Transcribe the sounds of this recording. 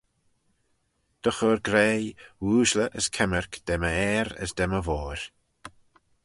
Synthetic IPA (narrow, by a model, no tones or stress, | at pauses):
d̪̥əxɔɾɡɾeːwuːʒləʔəskʰɛməɹkd̪̥ɛməɛːɾə̰sd̪ɛməvɔːɾ